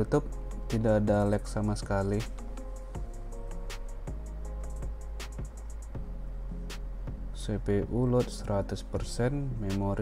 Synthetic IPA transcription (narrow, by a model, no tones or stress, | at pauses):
ut̪ʊp̚ | t̪idaːdalɛk̚samasə̥kali | sepeʔulʊt̪̚səɾat̪ʊspərsɛnmemoɾ